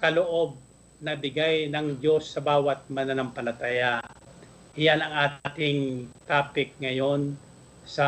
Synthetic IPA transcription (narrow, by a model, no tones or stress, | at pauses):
kɐloʔo̞b̚ | nɐbɪɡajnɐŋd͡ʒo̞sːɐbaːwɐt̪̚mɐnanɐmpɐlɐt̪ajaʔ | ʔɪjanɐŋaːt̪ɪŋt̪aːpɪk̚ŋɐjo̞n | sɐ